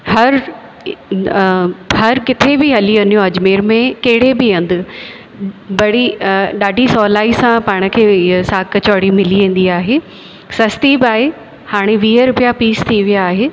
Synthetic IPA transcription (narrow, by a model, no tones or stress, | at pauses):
hɐɾ | ɦɐɾkɪt̪ʰebɪɦɐliʋɐnijõɐd͡ʑmeːɾmẽkɐɦɪɽebɪɐ̃nd̪ɪ | bɐɽ̤iɗaːɖʱisɔːlaːisãpaːɽ̃ə̆kʰeːsaːkət͡ɕɔːɽimɪliʋẽːn̆d̪iaːɦeː | sɐst̪ibaːe | haːɽ̃eʋiːɦəɾʊpijapiːst̪ʰiʋijaːɦeː